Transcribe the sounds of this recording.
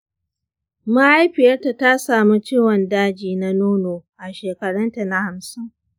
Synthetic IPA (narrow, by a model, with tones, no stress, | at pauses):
ma˦ʔa˦jɸɪ˨jɐ˦rta˨ta˦saː˨mu˦t͡ʃiː˦wɔ˨ndaː˦d͡ʒiː˨na˦noː˦noː˨ʔa˨ʃeː˨kɐ˨ɽɐ˦nta˨na˦ha˨msɪ˦ŋ